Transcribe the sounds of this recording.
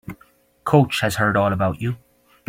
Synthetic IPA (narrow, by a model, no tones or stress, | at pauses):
kʰoʊt͡ʃhəz̥hɜ˞ɾɔːlˠəbaʊt͡ʃu